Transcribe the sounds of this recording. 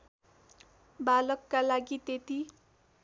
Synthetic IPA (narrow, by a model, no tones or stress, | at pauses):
balʌkːalaɡit̪et̪i